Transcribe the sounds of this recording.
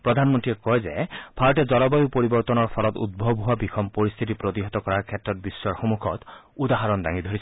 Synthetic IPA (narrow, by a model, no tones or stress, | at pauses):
pɹɔd̪ʱanmɔntiɛkɔjzɛ̰b̥ʱaɹɔtɛzɔlɔbajupoɹibɔɹt̪ɔnɔɹpʰɔlɔt̪ṵd̪̚bʱɔbɦuabikʰɔmpoɹist̪ʰit̪̬ipɹot̪iɦɔt̪ɔkɔɹaɹkʰɛtːɹɔt̚bisːɔɹxomukʰɔ̰t̪ | ud̪aɦaɹɔnda̰ŋid̪ʱoɹisɛ